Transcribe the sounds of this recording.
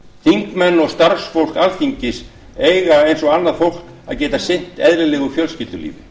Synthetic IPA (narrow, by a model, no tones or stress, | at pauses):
θiŋkmɛnːɔɣst̪arsfowl̥kalθiɲcɪs | ejɣaejnsɔɣanːaðfowl̥k | a̰ðcɛːt̪asɪn̥t̪ɛðɾɪlɛɣʏfjœlscɪlt̪ʏlḭːvɪ